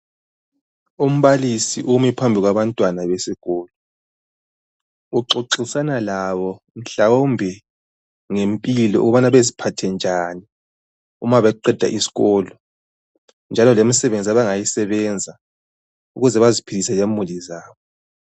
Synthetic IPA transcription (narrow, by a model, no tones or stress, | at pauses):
um̩βalisiʔumɛpʰambʱiɣwaβantʼwanaβesiɣɔːlɔ | uǃoǃisanalaβɔ | m̩ɬawombʱi | ŋempʼilɔ̰ʔṵɣɔβanaβezipʰatʰɛnd͡ʒʱani | ṵmaβɛǃɛd̥ʱa̰ʔisi̥ɣɔːlɔ | nd͡ʒʱalɔlemisɛβend͡zʱiaβaŋajisɛβɛnd͡zʱa | uɣuzɛβazipʰilisɛlemulizaːβɔ